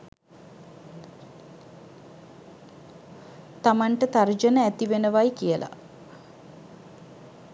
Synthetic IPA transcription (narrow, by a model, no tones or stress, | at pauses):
t̪amaɳʈət̪ard͡ʒənəæt̪iʋenəʋajkijəlʔa̰